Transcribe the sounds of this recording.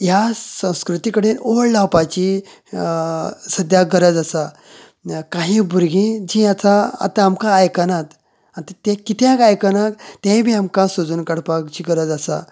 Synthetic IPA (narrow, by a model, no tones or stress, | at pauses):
jasə̃w̃skɾut̪ikəɽeloɽlawpat͡ɕi | səd̪jaɡʱəɾəd͡zasa | kaɦĩbʱuɾɡĩd͡ʑĩat͡saa̰t̪aːmkaːjkanat̪ | ant̪ət̪ẽkit̪ʰjãkajkanakt̪ẽbʱiamkãsod͡zuːnkəɽpakt͡ɕiɡəɾəd͡zasa̰